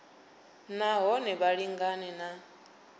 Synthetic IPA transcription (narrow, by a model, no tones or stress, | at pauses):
naɦɔnɛβaɺiŋɡanɛna